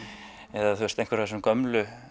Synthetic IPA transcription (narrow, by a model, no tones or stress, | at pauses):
ɛðaθwɛst̪ejŋkvɛɾasɛmkœmlʏ